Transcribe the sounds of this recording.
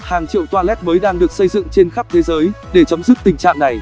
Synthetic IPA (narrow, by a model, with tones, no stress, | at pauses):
haː˨˩ŋt͡ɕḭ˧˨əwt̪waː˧lɛ˦˥t̚məː˨˦jɗaː˧ŋɗɨ˨˩ək̚sə˧jzɨ̰˧˨ŋt͡ɕe˧nxa˦˥p̚t̪ʰe˨˦zəː˨˦jɗe˧˩t͡ɕə˨˦ŋ͡mmzɨ˦˥k̚t̪ï˨˩ŋ̟t͡ɕa̰ː˧˨ŋna˨˩j